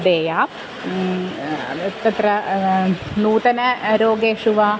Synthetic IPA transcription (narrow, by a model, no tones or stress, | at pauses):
d̪eːjaː | t̪ɐt̪ɾɐ | nuːt̪ɐnɐɾoːɡeːʂuʋaː